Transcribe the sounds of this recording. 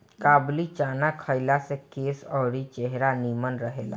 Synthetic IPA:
kaːblit͡ʃanakʰəjlasẽkeːsɔɽit͡ʃeɦɾanimənɾəɦela̰

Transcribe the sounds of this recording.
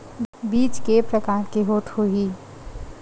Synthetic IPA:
biːt͡ʃkepɾəkaːɾkeɦoːt̪hoɦiː

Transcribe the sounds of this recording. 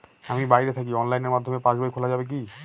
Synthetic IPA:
amibajɾet̪ʰakiɔnlajneɾmad̪ʱːomepãʃbojkʰolad͡ʑabek̬i

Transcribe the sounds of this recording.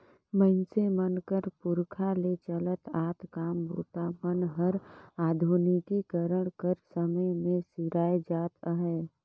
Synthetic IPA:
məɪnsemənkəɾpʊɾkʰalet͡ʃələt̪aːt̪kaːmbṵt̪amənɦəɾaːd̪ʱunikikəɾəɽ̃kəɾsəməjmẽsiɾaːed͡ʒaːt̪əɦɛː

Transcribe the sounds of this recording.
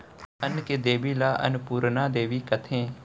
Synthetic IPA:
ənked̪eːʋiːlaːʔɐ̰nʊpuːɾnaːd̪eːʋiːkɐt̪ʰẽː

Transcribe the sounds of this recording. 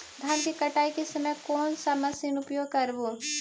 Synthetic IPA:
d̪ʱaːnkikɐʈaːikesɐməjkɔːnsamɐsɪnʊpjoːɡ̚kɐɾbo

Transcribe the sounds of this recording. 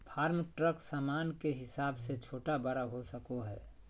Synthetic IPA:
pʰaːɾmʈɾəksaːmaːnkeɦɪsaːbset͡ʃʰoːʈabɐɾaɦosəkoɦɛ̰ː

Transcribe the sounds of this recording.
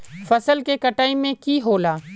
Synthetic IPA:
fəsəlkekəʈaːimẽkiɦoːlaː

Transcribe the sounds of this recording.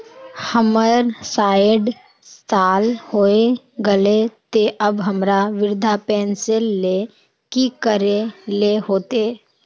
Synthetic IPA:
həməɾsaːɪɖ | st̪aːlhoːe | ɡəlet̪eʔəbɦəmɾaʋɪɾd̪ʱapɛːnsellːe | kikəɾeleɦoːt̪eː

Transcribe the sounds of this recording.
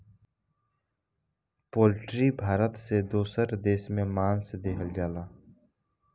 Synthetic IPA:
poːlʈɾibʱaːɾət̪sed̪oːsəɾd̪eːsmẽmaːnsed̪eːɦʰəld͡ʒaːlaː

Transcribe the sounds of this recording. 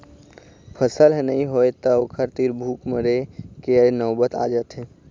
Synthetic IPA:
pʰəsəlɦnəɦĩɦoet̪əoːkʰəɾt̪iɾbʱuːkməɾekenɔːbət̪a̰ːd͡ʒət̪ɦe

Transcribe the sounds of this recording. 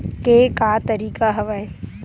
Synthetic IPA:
keːkaːt̪ɐɾiːkaɦɐʋaẽ

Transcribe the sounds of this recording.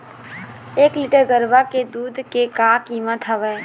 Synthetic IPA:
eːklɪʈəɾɡəɾbaked̪uːd̪ʱkekakimət̪ʰəʋɛː

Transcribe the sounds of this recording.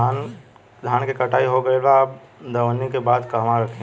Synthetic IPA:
an | d̪ʱaːnkekɐʈʰaːiɦoɡəebaaːp̚ | d̪əʋənːikebaːd̪kɐɦmaɾəkʰẽ

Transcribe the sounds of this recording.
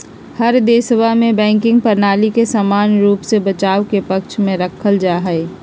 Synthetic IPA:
həɾd̪eːsəʋamẽbɛ̃ːŋkɪ̃ŋɡ̚pəɾnaːlikesaːmaːnɾuːpsebət͡ʃaːʋkepɐkʃʰmẽɾəkʰəld͡ʒaːɦɛɪ

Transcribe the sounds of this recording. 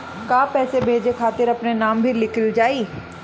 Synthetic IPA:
kaːpɛːsebʱeːd͡ʒekʰaːt̪ɪɾɐpnenaːmbʱilɪkʰəld͡ʒaːiː

